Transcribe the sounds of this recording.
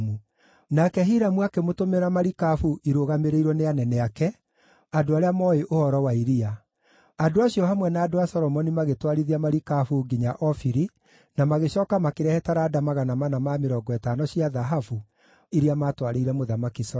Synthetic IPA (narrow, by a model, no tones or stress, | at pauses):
mu | nakɛɦiɾamuakemotomeɾamaɾikafuʔiɾoɣameɾeiɾwɔneanɛnɛakɛ | adoaɾeamɔeʔohɔɾɔwaiɾia | adoaɕiɔhamwɛnaːdoasɔɾɔmɔnimaɣetwaɾiðiamaɾikafuɡiɲaʔɔfiɾi | namaɣeɕɔːkamakeɾɛhɛtaɾaːdamaɣanamanamameɾɔɡɔɛtanɔɕiaðaɦafu | iɾiamatwaɾeiɾɛmoðamakis